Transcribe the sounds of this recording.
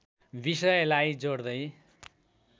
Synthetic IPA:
bisʌjlajd͡zoɽd̪ʌj

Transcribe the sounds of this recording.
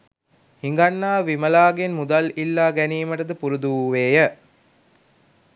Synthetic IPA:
hiŋ̆ɡanːaːʋiməlaːɡenmud̪alilːaːɡæniːməʈəd̪əpuɾud̪uuːʋeːjə

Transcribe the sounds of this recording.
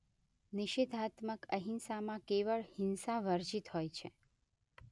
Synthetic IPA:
nɪʃed̪ʱat̪məkəɦinsamãkeʋəɭhɪnsaʋəɾd͡ʒit̪ɦojt͡ʃʰe

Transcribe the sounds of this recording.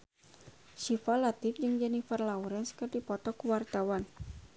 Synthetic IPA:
ʃifalat̪ɪfd͡ʒɨŋd͡ʒanifarlauɾanskərd̪ipɔt̪ɔkəwart̪awan

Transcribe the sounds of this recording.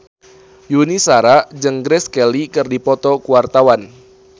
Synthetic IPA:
junisaɾad͡ʒəŋɡɾɛskɛlikɨrdipɔt̪ɔkuwart̪awan

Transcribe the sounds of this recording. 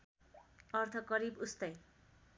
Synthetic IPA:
ʌrt̪ʰʌkʌɾibust̪ʌj

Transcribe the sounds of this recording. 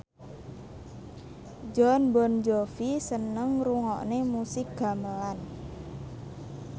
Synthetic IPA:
d͡ʒɔnbɔnd͡ʒofisənəŋruŋɔʔnemusɪk̚ɡ̥a̤məlan

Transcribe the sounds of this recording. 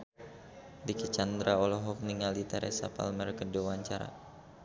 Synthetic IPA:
dikət͡ʃand̪ɾʔaɔlɔɦɔk̚niŋalit̪ɛɾʔɛ̰sapa̰lmərkədowaɲt͡ʃaɾa̰

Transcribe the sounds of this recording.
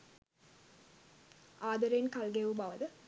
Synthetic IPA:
aːd̪ɐɾeːnkalɡeʋubɐʋəd̪ə

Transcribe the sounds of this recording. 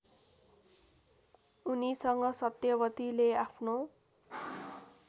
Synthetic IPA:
unisʌŋɡʌsʌt̪jʌbʌt̪ileapʰno

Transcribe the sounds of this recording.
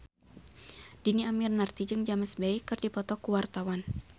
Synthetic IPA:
d̥iniamirnart̪id͡ʒɨŋd͡ʒamasbaikːɨrdipɔt̪ɔkuwart̪awan

